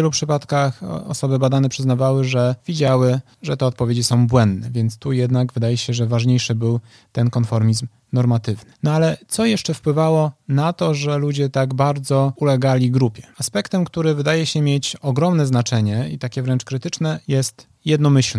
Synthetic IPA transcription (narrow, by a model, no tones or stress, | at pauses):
ɛlupʂɘpat̪kaxɔ̰sɔbɘbad̪anɛpʂɘznavawɘʐɛvʲid͡ʑawɘ | ʐɛt̪ɛɔt̪̚pɔvʲed͡ʑisɔ̃w̃bwɛnd̪nɛvʲjɛnt̪st̪ujɛd̪naɡvɘd̪ajɛɕɛʐɛvaʐɲejʂɘbɘw | t̪ɛnkɔnfɔɾmʲizm | nɔɾmat̪ɘvnɘnɔalɛt̪sɔjɛʂt͡ʂɛfpwɘvawɔnat̪ɔʐɛlud͡ʑɛt̪aɡbaɾd̪zɔulɛɡalʲiɡɾupʲjɛ̥aspɛkt̪ɛmkt̪uɾɘvɘd̪ajɛɕɛmʲjet͡ɕɔɡɾɔmnɛznat͡ʂɛɲɛit̪akʲɛvɾɛnt͡ʂkɾɘt̪ɘt͡ʂnɛjɛst̪ | jɛd̪nɔmɘɕlɛ